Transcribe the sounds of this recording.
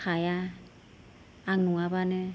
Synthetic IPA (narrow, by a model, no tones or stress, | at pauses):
kʰaja | aŋnuŋabanɯ